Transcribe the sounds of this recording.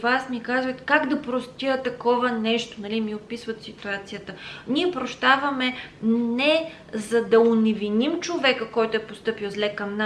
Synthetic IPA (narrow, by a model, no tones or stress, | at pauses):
vasmikazvət̪kaɡd̪ɐpɾost̪iət̪ɐkɔvɐnɛʃt̪o̥nɐlimiot̪̚pisvət̪sit̪uat̪sijət̪əniɛpɾoʃt̪avɐmɛnɛ | zɐd̪ɐʊnɛvinimt͡ʃovɛkəkɔjt̪oɛpost̪ɤpiwˠzlɛkɐmna